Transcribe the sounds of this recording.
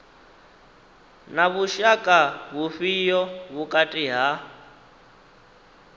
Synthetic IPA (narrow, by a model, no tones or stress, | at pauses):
naβuʃakʼaβuɸijɔβukʼatʼiɦa